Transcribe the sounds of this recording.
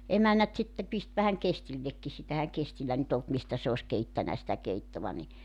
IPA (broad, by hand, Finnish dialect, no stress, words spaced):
emænːæt sitːe pist ʋæhæŋ kestilːekːi sitæ ehæŋ kestilːæ nyt olt mistæ se os keitːænæ sitæ keitːoʋɑ ni